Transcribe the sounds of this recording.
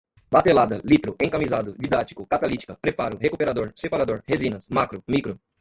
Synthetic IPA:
bat̪elad̪ɐlit̪ɾʊʔẽkamizad̪ʊd͡ʒid̪at͡ʃi̥kʊkat̪alit͡ʃi̥kɐpɾepaɾʊhekupeɾad̪oɾsepaɾad̪oɾhezĩnɐsmakɾʊmikɾʊ

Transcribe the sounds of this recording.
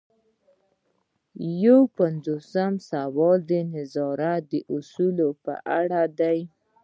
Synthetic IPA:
jawpanzosamsawɑld̪ənɪzɑɾad̪əʔʊsulopə̰ʔaɽad̪aj

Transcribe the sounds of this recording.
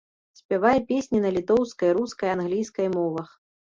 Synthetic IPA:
sʲpʲavajɛpʲesʲnʲinɐlʲit̪ɔwskɐjɾuskɐjanɣlʲijskɐjmɔvɐx

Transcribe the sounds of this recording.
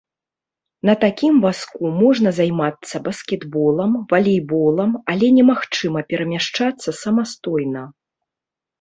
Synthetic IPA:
nɐt̪akʲimvaskumɔʐnɐzajmat̪sːɐbɐskʲɛd̪bɔlˠɐmvɐlʲɛjbɔlˠɐmɐlʲɛnʲɛmaxt͡ʂɨmɐpʲɛɾɐmʲaʂt͡ʂat̪sːɐsɐmast̪ɔjnɐ

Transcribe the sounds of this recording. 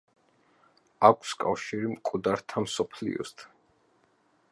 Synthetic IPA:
akʷʰskʼafʃiɾimkʼud̪aɾt̪ʰamsɔpʰlḭɔ̰st̪ʰ

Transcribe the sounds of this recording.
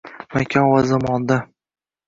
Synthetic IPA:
makʲʰɒnvazamɒnd̪a

